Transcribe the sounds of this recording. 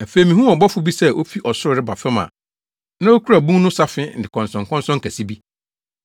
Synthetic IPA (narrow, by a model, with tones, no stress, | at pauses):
æ˨fe˨i˨mĩ˨hũ˦ɔ˨bɔ˦fʊ˨˦bi˦sɛ˦ʔo˦fi˦ʔɔ˨sʊ˦ɪ˨ɾɪ˦ba˨fɛ˦mã̰˨ | nã˦o˦kʰu˦ɾa˨bũ˦ŋnʊ̃˦sa˦fɪ˦n̩˨dɪ˨kʰɔ̃˨nsɔ̃˨ŋkʰɔ̃˦nsɔ̃˦ŋkʰæ˨si˦bi˦